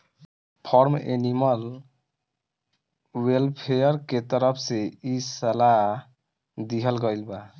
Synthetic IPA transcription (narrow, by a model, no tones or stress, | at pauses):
pʰɔɾmḛniməl | welpʰejəɾket̪əɾəpʰseisəla | d̪iɦəlɡəjlba